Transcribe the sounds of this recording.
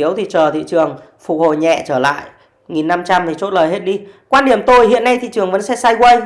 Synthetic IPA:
i˨˦əwt̪ʰi˨˩t͡ɕəː˨˩t̪ʰḭ˧˨t͡ɕɨ˨˩əŋfʊ˨˩k̚ho̰˧˨jɲɛ̰˧˨t͡ɕəː˧˩la̰ː˧˨j | ŋi˨˩nːa˧mt͡ɕa˧mt̪ʰi˨˩t͡ɕo̰˧˥t̚ləː˨˩jɦe˦˥t̚ɗi˧kwaː˧nɗi˧˩əmt̪o˧jhḭ˧˨ənːa˧jt̪ʰḭ˧˨t͡ɕɨ˨˩əŋvə̰˧˥nsɛ̰˧˥saː˧jkwə˧j

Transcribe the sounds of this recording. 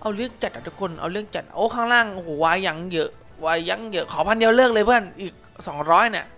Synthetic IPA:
ʔa˧wɾɯ˥˩əŋt͡ɕa˨˩t̪̚ʔa˨˩t̪ʰu˦˥kʰo˧nʔa̰˧wɾɯ˥˩əŋt͡ɕa˨˩t̪̚ʔoː˧˥˩kʰaː˥˩ŋlaː˧˥˩ŋ˧hoː˨˩˦waː˧ja˨˧˩ŋjɤ˦˥ʔ | waː˧ja˨˦˥ŋjɤ˦˥kʰɔː˨˦pʰa˧nji˧wlɯː˥˩k̚lɤː˧jpʰɯ˥˩ənʔiː˨˩k̚sɔː˨˩˦ŋɾɔː˦˥jna˧˩ʔ

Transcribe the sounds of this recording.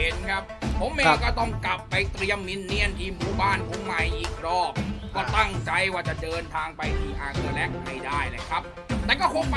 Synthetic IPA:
e˨˦nkʰa˦˥p̚ʰːo˨˦mʔeː˧kɔː˥˩t̪ɔ˥˩ŋkla˨˩pːa˧jt̪ɾi˧əmːi˦˧˥nːi˧˥˩ənt̪ʰiː˧muː˨˩˦baː˥˩npʰo˨˩˦mːa˧˩jʔiː˨˩k̚ɾɔː˥˩p̚kɔː˥˩t̪a˥˩ŋt͡ɕa˧jwaː˥˩t͡ɕa˨˩dɤː˧nt̪ʰaː˧ŋpa˧jt̪ʰiː˧˩ʔaː˧kɯ˧lɛ˦˥˩k̚pa˧˩jdaː˥˩jla˧˩kʰɾa˦˥p̚ | t̪ɛː˨˩kɔː˥˩kʰo˧ŋpa˧

